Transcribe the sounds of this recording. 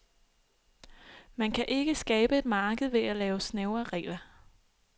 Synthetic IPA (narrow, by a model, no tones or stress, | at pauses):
mænkʰæʔe̝ɡ̥əsɡ̥ɛːb̥əe̝d̥mɑ̈ːɡ̥əð̞̩ˠʋe̝ælɛːʊsneʊɐʁɛ̰ːlɐ